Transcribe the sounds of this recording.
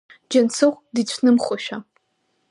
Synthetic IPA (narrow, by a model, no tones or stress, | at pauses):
d͡ʒɐnsʰɨʁʷdiːt͡ɕʷʰnɨmχʷʊʃᶣa